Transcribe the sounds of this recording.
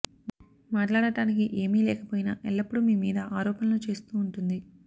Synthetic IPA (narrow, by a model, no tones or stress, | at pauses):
maːʈlaːɽɐʈaːnikiʔeːmiːlɛːkɐpoːjinaʔɛlːɐpːuɽumiːmḭːd̪ɐʔaːɾɔːpɐnlut͡ʃe̞ːst̪uːɳʈund̪i